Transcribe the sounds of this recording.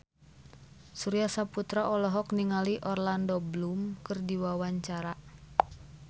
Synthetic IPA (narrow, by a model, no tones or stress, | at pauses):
suɾiasaput̪ɾaʔɔlɔɦɔkniŋaliʔɔrlandɔblumkɨrdiwawaɲt͡ʃaɾa